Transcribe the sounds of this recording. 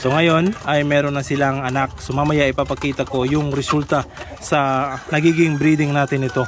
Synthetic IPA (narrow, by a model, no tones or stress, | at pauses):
t̪o̞ŋɐjo̞nɐjmɛːɾo̞nːɐsɪlaŋɐnak̚sʊmamɐjaʔɪpapɐkiːt̪ɐko̞jʊŋɾɛsult̪ɐ | sɐnɐɡiːɡɪŋbɾiːd̪ɪŋnaːt̪ɪnːɪt̪o̞